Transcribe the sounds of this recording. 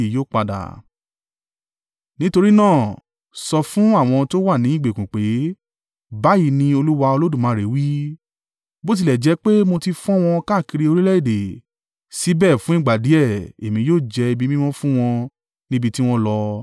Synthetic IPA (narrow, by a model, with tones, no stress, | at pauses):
i˨joː˦˨k͡pa˧da̰˨ | nĩ˦to˧ɾi˦nãː˦˨ | sɔ˧fũ˦a˦˨w̃ɔ̃˧to˦wa˦˨nĩ˨˦i˦˨ɡ͡be˨kũ˨k͡pe˨˦ | ba˨˦ji˨˧˦nĩ˧o˧lu˦wa˧o˧lo˦dũ˦˨mãː˨˦ɾe˨˦wi˦ | bo˦t̬i˧lɛ˨d͡ʒɛ˨˦k͡pe˦mo˧ti˧fɔ̃˦w̃ɔ̃˧ka˦˨ki˧ɾi˧o˧ɾi˦lɛ˦i˦˨de˨ | si˨˦bɛ˦˨fũ˦ĩ˦˨ɡ͡ba˨di˨˦ɛ˦˨e˨mĩ˨˧joː˦˨d͡ʒɛ˧i˧bi˦mĩ˦mɔ̃˦fũ˦w̃ɔ̃˧ | nĩ˦bi˧ti˦w̃ɔ̃˧lɔ˧